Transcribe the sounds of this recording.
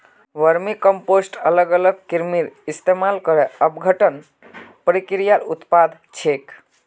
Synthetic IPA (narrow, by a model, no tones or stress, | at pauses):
ʋəɾmikəmposʈələɡələɡkiɾmiɾist̪emalkəɾɛəbɡʱəʈən | pəɾikɾijalṵt̪pad̪ʱ | t͡ʃʰek